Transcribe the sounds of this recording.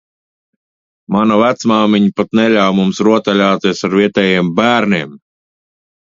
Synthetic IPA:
manavæt̪smaːmiɲpat̪nɛlʲawmumsɾuɔt̪alʲaːt̪iɛsaɾvʲiɛt̪ɛjɛɛmbæːɾnʲiɛm

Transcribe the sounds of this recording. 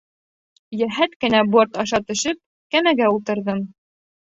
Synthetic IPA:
jæɦæt̪kɘ̆næboɾt̪ɑʃɑt̪ɵ̆ʃɘp̚ | kæmæɡæulˠt̪ɤ̆ɾðɤm

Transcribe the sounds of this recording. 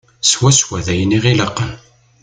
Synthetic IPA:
swæswæðæjəniʁiləqːən

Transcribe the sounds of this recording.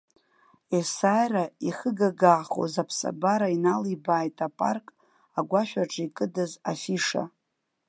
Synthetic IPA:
esajraiχəɡaɡaːχo̰zapʰsa̰baɾainalibaːjtʼapʼa̰rkʼ | aɡʷaʃᶣaʈ͡ʂʰʼikʼɨdazafiʂa̰

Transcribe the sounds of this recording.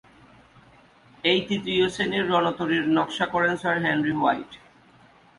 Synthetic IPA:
ejt̪it̪ɾioseniɾːɔnot̪oɾiɾnɔkʃakɔɾensaɾɦɛnɾiwajʈ

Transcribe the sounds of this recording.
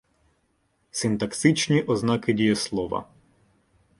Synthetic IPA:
sɪnt̪ɐkt̪ɪt͡ʃnʲiʔɔznɑkɪdʲijɐslˠɔʋɐ̰

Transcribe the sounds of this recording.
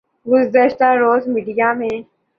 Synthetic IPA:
ɡʊzzəʃt̪aɾoːzmiɖijamẽ

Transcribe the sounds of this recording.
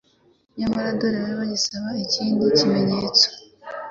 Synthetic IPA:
ɲamaɾadoɾeβaɾiβaɟisaβaiciːndicime̞ɲeːt͡so̥

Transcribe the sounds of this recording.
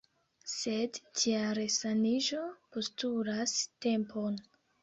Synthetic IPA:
sedd͡ʒiaɾesaniʒo̞postulaste̞mpo̞n

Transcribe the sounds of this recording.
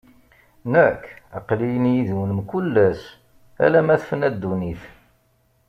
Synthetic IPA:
nækːɑ̰qlijənjiðwənəmkulːæs | æ̰læmæθfənæd̪ːuniθ

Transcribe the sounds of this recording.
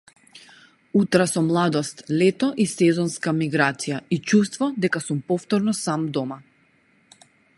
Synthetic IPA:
ut̪ɾasɔmlˠad̪ɔst̪lɛt̪ɔʔisɛzɔnskamiɡɾat̪sijait͡ʃust̪vɔd̪ɛkasumpɔft̪ɔɾnɔsamd̪ɔma

